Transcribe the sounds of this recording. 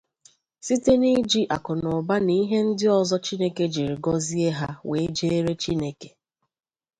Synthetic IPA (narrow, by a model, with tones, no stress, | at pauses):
si˦te˦ni˦d͡ʒi˦ʔa˨kʊ˨nʊ˨ba˦ni˦ɦe˦n̩˦dɪ˦ɔ˦zɔ˦t͡ʃi˦ne˦ke˦d͡ʒi˨ɾi˨ɡɔ˦zi˦e˦ɦa˦we˨e˦d͡ʒe˦e˦ɾe˦t͡ʃi˦ne˨ke̥˨